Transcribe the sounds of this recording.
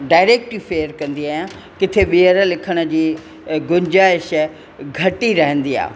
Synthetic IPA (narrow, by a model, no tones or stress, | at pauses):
ɖaːɪɾeːk̚ʈiːfeːəɾkɐ̃nd̪iaːjã | kɪt̪ʰeɓiəɾlɪkʰəɽ̃ə̆d͡ʑiː | ɡʊɲd͡ʑaːɪʃ | ɡʱɐʈiɾɐɦə̃nd̪ia̰ː